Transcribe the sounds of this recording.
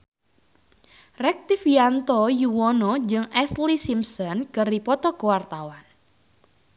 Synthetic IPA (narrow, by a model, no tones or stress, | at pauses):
rɛk̚t̪ifiant̪ɔjuwɔnɔd͡ʒɨŋɛslisimsɔnkɨripɔt̪ɔkowart̪awan